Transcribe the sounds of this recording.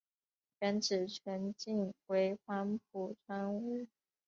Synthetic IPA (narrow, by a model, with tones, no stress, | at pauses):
t͡ɕɛ˧˥nʈ͡ʂɻ̩˨˩t͡ɕʰɥɛ˧˥nt͡ɕi˥˩nxwe˧˥ɪxwa˥np̚ʰu˧˥t͡sʰwa˥nu˥˩